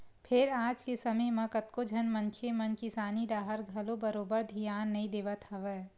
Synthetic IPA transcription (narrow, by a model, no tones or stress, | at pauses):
pʰɪɾaːd͡ʒkesɐməjmɐ̃kət̪kod͡ʒʱɐnmɐ̃nkʰemɐ̃nt͡ʃɪsaːnid̪aːɦəɾɡʱɐlobəɾoːbəɾd̪ʱijaːnːɐɦĩd̪eːʋət̪ɦɐʋɛː